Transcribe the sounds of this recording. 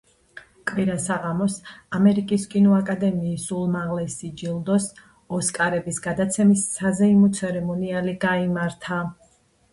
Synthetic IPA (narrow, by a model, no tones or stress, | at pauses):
kʼwiɾasaʁamɔsamɛɾikʼiskʼinɔakʼad̪ɛmiːsulˠmaʁlɛsid͡ʒilˠd̪ɔs | ɔskʼaɾɛbisɡad̪at̪sʰɛmisːazɛimɔt̪sʰɛɾɛmɔnialiɡaimaɾt̪ʰa